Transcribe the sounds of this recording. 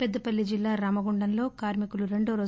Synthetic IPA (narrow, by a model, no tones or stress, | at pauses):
ped̪ːɐpɐlːid͡ʒilːaːɾɐːmɐɡuɳɖɐnlo̞ːkaːɾmikuluɾe̞ɳɖoːɾoː